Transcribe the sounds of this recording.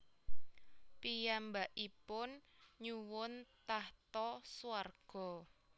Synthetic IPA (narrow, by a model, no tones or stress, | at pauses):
pijambaʔipʊnɲuwʊnt̪aht̪ɔsuwarɡ̥ɔ̤